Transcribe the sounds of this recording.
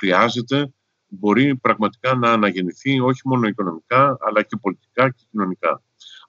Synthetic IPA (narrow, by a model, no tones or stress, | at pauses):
xɾiɐze̞t̪e̞ | bo̞ɾipɾɐɣmɐt̪i̥kɐnɐːnɐʝe̞niθio̞çimo̞no̞iko̞no̞mikɐ̰ːlɐce̞po̞lit̪i̥kɐce̞cino̞nikɐ̰